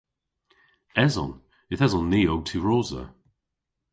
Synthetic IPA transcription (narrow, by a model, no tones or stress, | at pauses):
ɛzɔ̰n | ɪθɛzɔnːiːoɡ̚tʰiɹoːzə̰